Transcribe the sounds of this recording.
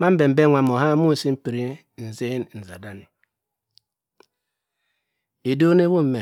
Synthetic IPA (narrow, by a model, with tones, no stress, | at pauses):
ma˦m̩˦be˨m̩˨be˦ŋʷa˨mo˨ɦa˦mu˦˨si˦m̩˦pi˨ɾi˦ | n̩˨ze˦n˨n̩˨za˨da˦n˨ | e˨do˦ne˦wo˦m̩˨me˨